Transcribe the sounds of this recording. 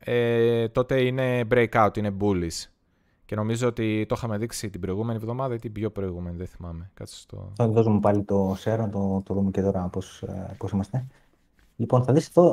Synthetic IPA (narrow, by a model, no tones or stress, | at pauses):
et̪o̞t̪e̞ine̞bɾejkɐut̪ine̞bulis | ce̞no̞mizoot̪it̪o̞xɐme̞ðiksit̪ibɾo̞iɣume̞nievðo̞mɐðɐet̪ibʝo̞pɾo̞iɣume̞niðeθimɐme̞kɐt̪si̥st̪o̰oðozumepɐlit̪o̞seɾnɐt̪ot̪oðumecet̪o̞ɾɐposposimɐst̪e̞ | liponθɐðiseðo